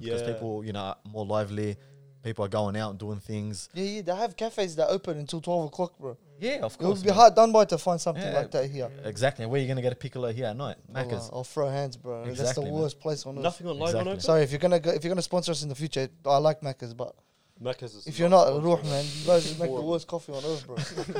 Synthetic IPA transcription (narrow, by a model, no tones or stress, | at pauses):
kʌz̥pʰipl̩ˠjɨnoʊə̰mɔɹlaɪvlipipl̩ˠə˞ɡoʊɪ̃ŋaʊtn̩duɪ̃ŋθɪ̃ŋz̥jæjæðeɪəv̥kʰæfeɪzðətoʊpə̃nɨ̃ntʰɪlˠtʰw̥ɛlˠvəkʰl̥ɑkbə | jæəv̥kʰɪwəbiɦɑɹt̚dʌ̃nbaɪtʰəfãɪ̃nd̥sʌ̃mθɪ̃ŋlaɪk̚ðæt̚ɦiɹɪɡzæk̚tˡlĩnwəjəɡʌnɨɡɛɾəpʰɪkəl̩ˠəɦiɹətⁿnaɪt̚mækəz̥ə̰fɹoʊɦæ̃nzbəðæsðəwɜ˞spʰl̥eɪsn̩nʌθɪ̃ŋəzæsɑɹiɨfjə˞ɡʌnəɡoʊɪfjə˞ɡʌnəspɔ̃nsə˞ʌs̬ɨ̃n̩ðəfjʉt͡ʃə˞aɪlaɪk̚mækəzbʌ̰t̚ | mækəzzɪfjənətəɹuħmæ̃nðoʊzəmeɪkðəwɜˑ˞skʰɔfiə̃nɜ˞θbɹəɡ